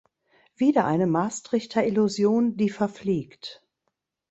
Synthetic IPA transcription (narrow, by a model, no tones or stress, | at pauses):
v̥iːdɐʔaɪnəmaːstʁ̥ɪçtʰɐɪluzjoːndiːfɛɐfliːkt